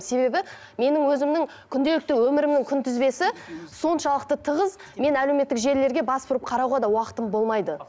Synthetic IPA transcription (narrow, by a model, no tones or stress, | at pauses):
se̞be̞bɪ | me̞nɪŋwɵzɪmnɪŋ | kʲʰʏnd̪e̞lɪk̚t̪ɪwɵmɪɾɪmnɪŋkʲʰʏnt̪ʰɪzbe̞sɪso̞nʃɑlˠəq̚t̪ət̪ʰəʁəz | me̞næleme̞t̪ːɪkʒe̞ɾle̞ɾɡʲe̞bɑsbʊɾəp̚qʰɑɾɑwʁɑd̪ɑwɑqə̥t̪əmbo̞lˠmɑjd̪ə